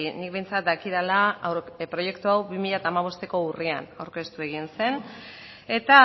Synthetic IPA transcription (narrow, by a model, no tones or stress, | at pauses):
inik̚be̞jnt͡sat̪̚d̪akiɾalapɾo̞je̞kt̪uawbimiʎat̪aːmaβ̞o̞st̪e̞ko̞uria̰nawɾke̞st̪ue̞ɣ̞inse̞n | e̞t̪a